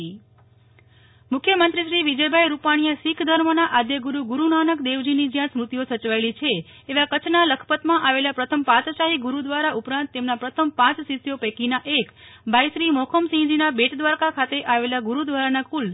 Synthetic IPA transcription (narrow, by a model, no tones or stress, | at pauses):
mʊkʰjəmənt̪ɾiʃɾiʋid͡ʒəjbʱajɾupaɽ̃ijəsikʰd̪ʱəɾmənaʔad̪jəɡuɾuɡuɾunanəkd̪eʋd͡ʒinid͡ʒjãsmɾut̪ijosət͡ʃʋaelit͡ʃʰeː | ʋakət͡ʃʰnaləkʰə̥pət̪mãʔaʋelapɾət̪ʰəmpat̪əʃaɦiɡuɾud̪ʋaɾaʔupɾãnt̪ːemnapɾət̪ʰəm̚pãt͡ʃsit̪jopɛkinaʔekbʱajʃɾimɔkʰəmsĩd͡ʒinabeʈd̪ʋaɾkakʰat̪eʔaʋelaɡuɾud̪ʋaɾanakul